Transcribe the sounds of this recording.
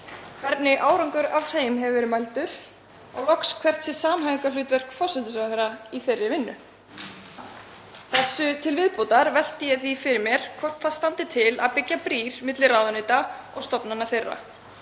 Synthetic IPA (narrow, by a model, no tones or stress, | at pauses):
kʰv̥ɛɾt̪nɪʔaːwɾaŋkʏɾawvθeːjmɦɛvʏvɛɾɪmajlt̪ʏɾ̥ | ɔ̰ɣlɔkskʰvɛr̥t̪sɪsaːmɦajɣiŋkalʏːt̪vɛr̥kfɔr̥sɛt̪ɪsvaθɛɾaiθejrːɪvɪnːʏ | θɛsːʏt̪ʰɪlvɪðpowt̪aɾvɛl̥t̪ɪjɛθifɪɾɪɾmjɛɾ̥kʰɔ̥t̪θaðst̪ant̪ɪt̪ʰɪla̰ðpɪcːapɾiːɾ̥mɪt̪lɪraːwðaniːt̪a | ɔɣst̪ɔpnanːaθejrːa̰